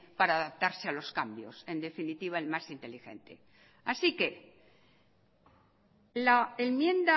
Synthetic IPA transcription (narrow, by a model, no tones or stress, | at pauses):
paɾaːðap̚t̪aɾsealo̞skambjo̞̰se̞nd̪e̞finit̪iβ̞aelmasint̪e̞lixe̞̰nt̪e̞ | asike̞ | laenmjẽ̞nd̪a